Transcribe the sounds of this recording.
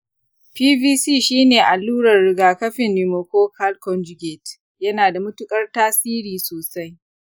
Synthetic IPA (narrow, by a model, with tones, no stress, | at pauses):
ɸiː˦biː˦siː˦˨ʃiː˦neː˨ʔa˨lːuː˦ɽɐ˨rːɪ˨ɡaː˨kɐ˦ɸɪ˨nːi˨mo˨kʷoː˦kʰa˦lkɔ˦nd͡ʒʊ˦ɡʲeː˨t | jɐ˦naː˨da˨mʊ˦tʊ˦kʼɐ˦rtaː˦siː˦ɾiː˨soː˨sa˦j